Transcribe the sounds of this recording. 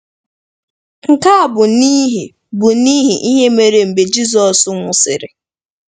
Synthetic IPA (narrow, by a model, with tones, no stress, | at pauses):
ŋ̩˨ka˦a˨bʊ˨ni˦ɦi˨ | bʊ˨ni˦ɦi˨ʔi˦ɦe˦me˨ɾe˨m̩˨be˨d͡ʒi˦zɔ˨sʊ˨ŋʷʊ˨sɪ̰˨ɾɪ̰˨